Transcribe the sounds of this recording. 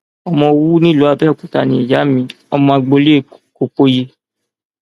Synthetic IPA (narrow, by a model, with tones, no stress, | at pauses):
ɔ˧mɔ̃˧wu˦nĩ˦lu˨˦a˧bɛ˦˨kũ˨ta˧˨nĩ˨i˨ja˨˦mĩ˨˦ | ɔ˧mɔ̃˧a˧ɡ͡bo˧le˦˨ko˨k͡po˧je˧